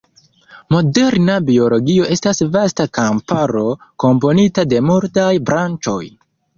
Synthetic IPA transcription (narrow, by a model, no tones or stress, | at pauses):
mo̞de̞ɾnabio̞lo̞ɡio̞ʔe̞stasvastakampaɾo̞ko̞mpo̞nitade̞muɾtajbɾant͡ʃo̞̰j